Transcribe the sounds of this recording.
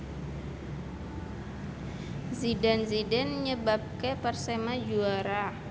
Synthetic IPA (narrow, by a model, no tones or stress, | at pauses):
zidanzidɛnɲəbap̚kepərsemad͡ʒuaɾa